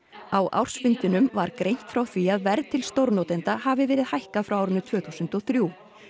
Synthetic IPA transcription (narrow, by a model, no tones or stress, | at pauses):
awʔa̰wr̥sfɪnt̪ɪnʏmvaɾkɾejn̥t̪fɾawθviaðvɛɾðt̪ʰɪlst̪owɾnot̪ɪnt̪ahavɪvɛːɾɪðhajhkafɾawawɾʏnʏt̪ʰv̥œːθusʏnt̪ɔθɾju